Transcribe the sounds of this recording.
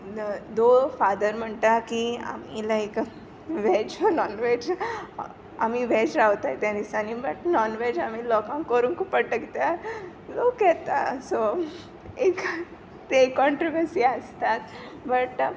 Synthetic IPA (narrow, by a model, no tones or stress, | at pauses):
d̪ofad̪əɾm̤əɳt̪akia̰milaek | ʋɛd͡ʑnɔnʋed͡ʑ | amiʋɛd͡ʑɾaʋt̪at̪ãnisanibəʈnɔnʋed͡ʑamiːlɔkãŋkəɾuːnkupəʈəkt̪ja | d͡zokɛt̪a̰so | ek | t̪ekɔ̃ɳʈɾoʋəɾsiːəst̪at̪ | bəʈ